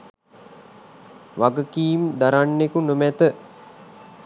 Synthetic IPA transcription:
ʋaɡəkiːmd̪aɾanːekunomæt̪ə

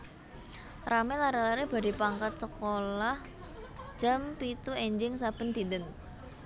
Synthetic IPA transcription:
ramɪlaɾalaɾeb̥a̤d̥i̤paŋkat̪̚səkolah | d͡ʒ̥a̤mpit̪ueɲd͡ʒɪŋs̬ab̥ə̤nd̪̥i̤nd̪əŋ

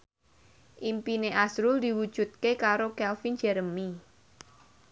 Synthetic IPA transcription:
ʔimpineʔasɾʊld̪i̤wud̥ʒ̥ṳt̪̚kekaɾokɛlfind͡ʒɛɾəmi

